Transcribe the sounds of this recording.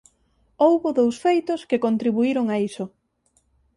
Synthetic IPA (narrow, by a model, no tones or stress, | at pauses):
owβoðowsfejt̪ʊskɪkont̪ɾiβuiɾoŋaisʊ